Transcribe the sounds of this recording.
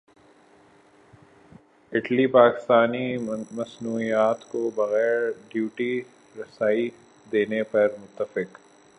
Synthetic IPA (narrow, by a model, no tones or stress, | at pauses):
ɪʈlipaːkɪ̥st̪aːnimɐsnuːijaːt̪kobɐɣɛːɾɖjuːʈi | ɾɐsaːi | d̪eːnepɐɾmʊt̪ːəfɪq